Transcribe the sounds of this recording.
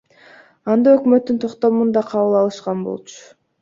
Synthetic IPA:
ɑnd̪ɑø̞kmøt̪ːynt̪ʰo̞qt̪o̞mund̪ɑqʰɑβɯlˠɑlˠɯʃqɑnbo̰lˠt͡ʃʰʊ̥

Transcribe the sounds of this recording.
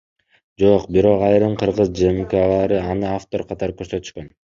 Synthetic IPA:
d͡ʒo̞qbiɾo̞qɑjɾɯɴqʰɯɾʁɯzd͡ʒemkalˠɑɾɯɑnɯaft̪o̞ɾrqʰɑt̪ɑɾɯkøɾsø̞t̪y̥ʃkøn

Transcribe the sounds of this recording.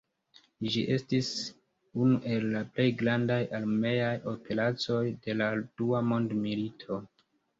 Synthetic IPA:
d͡ʒiʔe̞stis | unuʔe̞lːaple̞jɡɾandajʔalme̞jajo̞pe̞lat͡so̞jde̞lad̥uamo̞ndmilitʰo̞

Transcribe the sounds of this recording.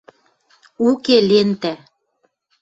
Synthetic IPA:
ukelent̪æ

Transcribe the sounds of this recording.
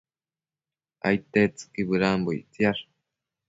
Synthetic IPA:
ʔa̰jt̪et͡sɨ̥kiβɨɾanboḭt͡siaɾ

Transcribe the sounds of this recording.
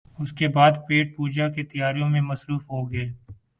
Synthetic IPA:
ʊskebaːd̪peːʈ̚puːd͡ʒaket̪ɐjaːɾijõmẽmɐsɾuːfɦoɡɐeː

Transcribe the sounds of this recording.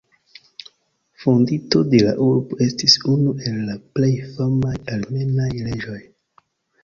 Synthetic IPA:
fondito̞de̞la̰ʔuɾbo̞e̞stisunuʔe̞lːaplejfamajalme̞najled͡ʒo̞j

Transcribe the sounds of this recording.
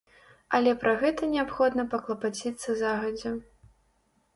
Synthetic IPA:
ɐlʲɛpɾɐɣɛt̪ɐnʲɛapxɔd̪nɐpɐklˠɐpat͡sʲit̪sːɐzaɣɐd͡zʲɛ

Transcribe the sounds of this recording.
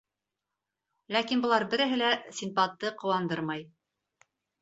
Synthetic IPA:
lækinbŏlˠɑɾbɘ̆ɾɘ̆ɦɘlæsʲinpɑt̪ːɤqŏwɑnd̪ɤɾmɑj

